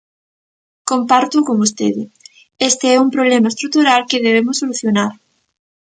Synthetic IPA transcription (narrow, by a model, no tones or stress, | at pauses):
kompaɾt̪ʊkoŋust̪ḛðɪ | est̪eɛumpɾoβlɛmaest̪ɾuk̚t̪uɾalkɪðeβemʊsoluθjonaɾ